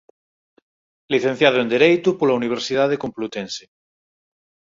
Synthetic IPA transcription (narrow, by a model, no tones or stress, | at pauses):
liθẽn̟θjaðoend̪eɾejt̪upolauniβ̞eɾsið̞aðekomplut̪ense